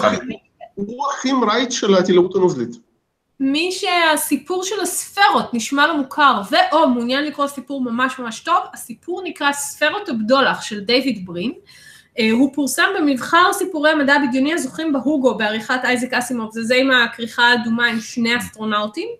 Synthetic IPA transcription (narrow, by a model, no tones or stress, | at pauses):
uaχimɾajtʃelat̪ilautanozlit̪ | miʃeasipuʁʃelasfe̞ʁo̞tniʃmalemukʰaʁveʔo̞munjanlikʁosipuʁmamaʃmamaʃto̞vasipʰuʁnikʁasfe̞ʁo̞tabdo̞laχʃe̞ldejvidbʁin | ɦupuʁsambe̞mivχaʁsipuʁejamadabiɡjoniazoχimbeɦuɡo̞beaʁiχatajzikasimovzezeimakʁiχaːdumaimʃnejast̪ʁo̞nawtim